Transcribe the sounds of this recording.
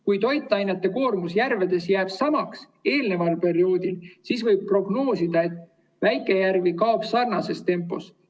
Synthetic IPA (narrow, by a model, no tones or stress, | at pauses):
kujt̪o̞jt̪ˑːɑjnet̪ːˑe̞ko̞ːrmusjærve̞d̪̥e̞sjæːb̥sɑmɑks | e̞ːlne̞vɑlpe̞ɾio̞ːd̪̥ilsisvɤjb̥̚pro̞ɡ̥no̞ːsid̪̥ɑe̞t̪ː | væjkːˑe̞jærvikɑobsɑrnɑse̞st̪e̞mpːˑo̞̰s